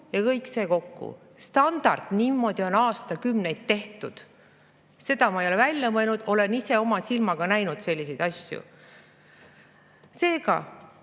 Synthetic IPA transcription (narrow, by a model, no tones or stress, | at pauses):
jɑkɤjkse̞ːko̞kːṵ | st̪ɑnd̪̥ɑ̰rd̪̥niːmːo̞d̪̥io̞nɑːst̪ɑkymne̞jd̪̥̚t̪e̞ht̪ud̪̥ | se̞d̪̥ɑmɑejo̞levælʲjɑmɤenud̪̥o̞le̞nise̞o̞mɑsilmɑɡ̥ɑnæjnud̪se̞lʲːise̞jd̪̥ɑsʲjṵ | se̞ːɡ̥ɑ̰